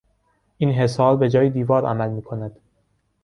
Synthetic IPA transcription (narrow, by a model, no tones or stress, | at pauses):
ʔiːnɦe̞sɒːɾbe̞d͡ʒɒːjed̪iːvɒːɾʔæ̰mælmiːkʰo̞næd̪̥